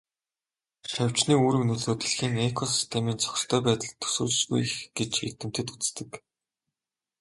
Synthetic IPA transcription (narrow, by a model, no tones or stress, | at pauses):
ʃæw̥ʲt͡ɕniːuːɾɘ̆wnɵɮoːt̪ɘ̆ɮxiːŋekʰɔsi̥st̪ʰemiːnt͡sʰɔ̥k̆rt̪ʰœːpæːt̪ə̆ɮt̪ʰːɵ̥sṵːɮ̆ʃɡṵjxɡ̥et͡ɕḛrt̪ɘ̆m̥t̪ɘ̆t̪u̥t͡st̪ɘ̆k